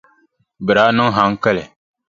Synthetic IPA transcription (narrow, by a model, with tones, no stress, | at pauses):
bɨ˨ɾa˨˦nɨ˦ŋɦa˨˦ŋ˦kɛ˦lɛ˨